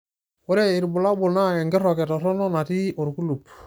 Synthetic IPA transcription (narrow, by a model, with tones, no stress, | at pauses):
wɔ˦ɾɛ˦ɪ˨ɾbʊ˨la˦bʊ˨lna˦ɛ˨ŋɡɪ˦ɾɔ˨kɛ˨tɔ˨ɾɔ˦nɔ˦na˨ti˦ʔo˨ɾku˦lu˨p